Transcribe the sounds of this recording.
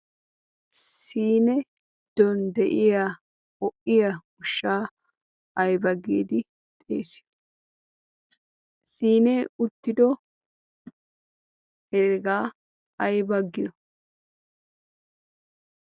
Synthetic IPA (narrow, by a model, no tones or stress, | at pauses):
iːnɛ | d̪̥ɔnd̪ɛʔɪja | ɔʔɪjɐ | ʊʃːaː | ɐjbɐɡeːd̪ɪ | t̪ʼḛːsɪ̥jɔ̥ | siːneːʊt̪ːɪd̪ɔ | hɛɾɡaː | ɐjbɐɡːɪjɔ